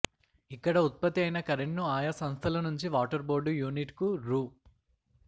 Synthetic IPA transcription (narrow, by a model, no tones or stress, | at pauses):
ikːɐɽɐut̪̚pɐt̪iɐjnɐkɐɾeɳʈnuaːjɐsɐ̃ñst̪ʰɐlɐnuɲt͡ʃiʋaːʈɐɾboːɾɖujuːniʈkuɾuː